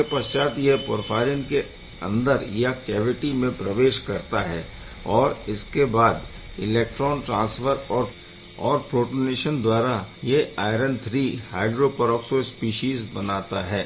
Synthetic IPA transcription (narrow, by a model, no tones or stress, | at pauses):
epɐst͡ʃaːt̪jepʊɾfʰaːɾɪŋke | ɐ̰̃nd̪əɾjakɛːʋɪʈimẽpɾɐʋeːʃkɐɾt̪aɦɛː | ɔːɾɪskebaːd̪ɪleːk̚ʈɾɔːnʈɾãːnsfəɾɔːɾ | ɔːɾpɾoːʈoneːʃənd̪waːɾajeaːɪɾə̃nt̪ʰɾiːha̰ːɪɖɾopːɾɔːksospiːʃiːzbɐnaːt̪aɦɛː